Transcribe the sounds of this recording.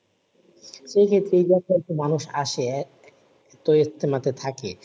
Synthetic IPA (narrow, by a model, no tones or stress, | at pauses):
ʃejkʰet̪ːɾeejd͡ʑaɔt̪umanuʃaʃe | t̪ojest̪ʰemat̪et̪ʰake